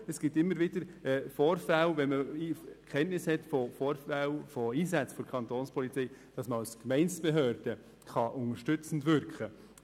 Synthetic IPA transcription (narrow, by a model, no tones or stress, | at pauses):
ɛsɡ̥ɪtːɪmːəɾʋɪd̥əɾfɔːɾfælvɛnməikʰχɛntnɪshɛtfɔfɔːɾfælfɔiːsæt͡sfɔɾkʰɑntoːnspʰɔlit͡sɛɪd̥ɑsməɑlskmɛɪnsb̥eɦøːɾd̥ə | χɑʔʊnəʃtʏt͡sn̩dvʏɾkχə